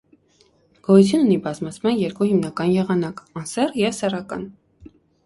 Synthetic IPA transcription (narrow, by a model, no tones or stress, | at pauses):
ɡ̥ɔjut͡sʰjununibɑzmɑt͡sʰmɑnjɛɾkuhimnɑkɑnjɛʁɑnɑkɑnsɛrjɛvsɛrɑkɑ̰n